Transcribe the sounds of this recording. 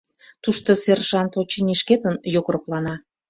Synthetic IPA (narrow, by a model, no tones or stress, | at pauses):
t̪uʃt̪oserʒɑnt̪ot͡ɕinʲiʃket̪ənjokroklɑnɑ